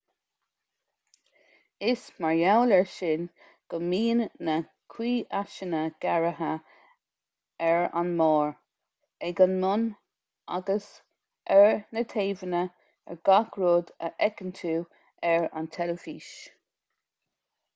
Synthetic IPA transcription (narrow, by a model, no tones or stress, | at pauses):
ɪsmaɹjawlɛɹʃɪn | ɡ̥əmiːnːə | kʰwiːʔaʃənəɡ̥aɹəɦə | ɛɹa̰nmɑːɹ | eɡənmʊn | a̰ɡəs | ʔɛɹnət̪ʰeːvənə | ɛ̰ɹɡ̥akɹoːdəʔɛkənt̪ʰuː | ɛɹa̰nt̪ʰɛləviːʃ